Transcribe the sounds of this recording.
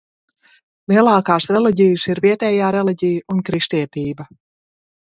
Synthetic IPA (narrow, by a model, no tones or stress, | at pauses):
lˠiɛlˠaːkaːsɾɛlˠiɟijɨsiɾviɛt̪ɛːjaːɾɛlˠiɟijunkɾiʃt̪iɛt̪iːba